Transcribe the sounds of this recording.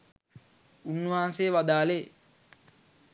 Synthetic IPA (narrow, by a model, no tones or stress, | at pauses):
unːuʋaːnseːʋad̪aːleː